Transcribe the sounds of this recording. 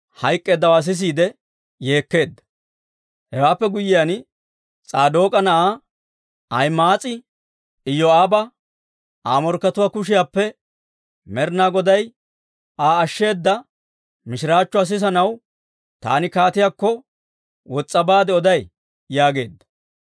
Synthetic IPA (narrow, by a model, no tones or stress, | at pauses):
hɐjkʼːe̞ːd̪ːɐwaːs̬ɪs̬iːd̪ɛ | je̞ːkːe̞ːd̪ːɐ̥ | hɛwaːpːɛɡʊjɪjan | t͡sʼaːd̪o̞ːkʼɐnɐʔaː | ɐjmaːt͡sʼɪ | ɪjːɔaːbɐ | ʔaːmɔɾkːɐt̪ʊwaːkʊʃ̬ɪjaːpːɛ | mɛɾnaːɡɔd̪ɐj | ʔaːʃːe̞ːd̪ːɐ | mɪʃɪɾaːt͡ʃːʊɐs̬ɪs̬ɐnɐw | t̪a̰ːnɪkaːt̪ɪjaːkːɔ | wɔt͡sʼːɐbaːd̪ɛɔd̪ɐj | jaːɡe̞ːd̪ːɐ̥